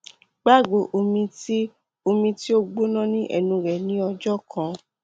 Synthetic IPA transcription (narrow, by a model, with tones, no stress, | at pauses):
ɡ͡ba˦˨ɡ͡bo˨ʔo˧mĩ˧ti˦ | o˧mĩ˧ti˦o˦ɡ͡bo˦nã˦nĩ˦ʔɛ̰˧nũ˧ɾɛ˨nĩ˨˦ɔ˧d͡ʒɔ˦kʰã˨˧